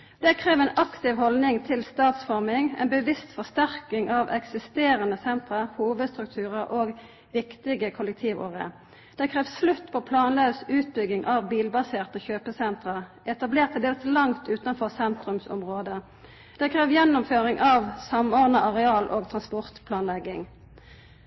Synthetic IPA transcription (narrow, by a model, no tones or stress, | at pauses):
d̪̥ɛkʰʁeːʋɛːnʔɑkt̪ɪʋhɔlnɪŋt̪ʰɪlst̪ɑːt̪sfɔʁmɪŋɛ̰ːnbəʋɪst̪fɔʁst̪æʁkɪŋʔɑʋʔɛksɪst̪eːʁənəsɛnt̪ʁəʁhuːʋəd̪st̪ʁʉk̚t̪ʰʉːʁəʁʔoːɡ | ʋɪkt̪ɪɡəkʰʊlɛk̚t̪ʰiːʋo̰ːʁɪə̰ | d̪̥ɛkʰʁɛːʋsslʉt̪ːpʰɔːpʰlɑːnløʉsʉːt̪̚bʏɡɪŋʔɑːʋbiːlbɑseːʁt̪əçøːpəsɛnt̪ʁəʁʔɛt̪ɑbleːʁt̪ʰːɛld̪eːlslɑŋt̪ʰʉːt̪ɑnfɔʁsɛnt̪ʁʉmsɔ̰mʁoːd̪ə | d̪̥ɛkʰʁɛːʋjɛnːʊmføːʁɪŋʔɑʋsɑmɔʁd̪nəʔɑʁɛɑːlʔoːɡ̚t̪ʰʁɑnspɔʁt̪pʰlɑːnlɛɡɪŋ